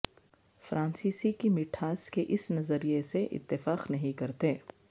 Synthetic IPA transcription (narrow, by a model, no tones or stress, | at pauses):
fɾʔãːnsiːsikimɪʈʰaːskeʔɪsnɐzəɾijeseʔɪ̰t̪ːɪfaːqnɐɦĩkɐɾt̪eː